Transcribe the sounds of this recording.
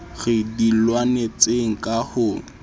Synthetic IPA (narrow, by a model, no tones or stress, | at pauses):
ɣɪdilwanet͡seŋ̩kʼahʊ